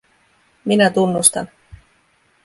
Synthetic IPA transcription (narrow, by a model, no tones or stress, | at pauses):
minæt̪unːust̪ɑ̰n